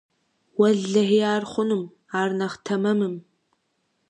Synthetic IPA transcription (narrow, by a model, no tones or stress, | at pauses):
wɐɮɐɦiːaːrχʷʊnum | aːrnɐχtʰɐmɐmɨm